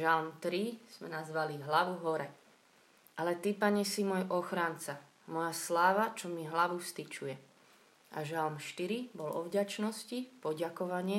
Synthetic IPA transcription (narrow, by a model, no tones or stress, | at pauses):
ʒalmt̪ɾiz̥mɛnazʋaliɦlaʋuɦɔɾɛ | ʔalɛt̪ipaɲɛsimɔjʔɔxɾaːnt͡sa | mɔjaslaːʋat͡ʃɔmiɦlaʋufst̪it͡ʃujɛ | ʔaʒalmʃt̪iɾibɔlɔ̰vɟat͡ʃnɔscipɔɟakɔʋaɲɪɛ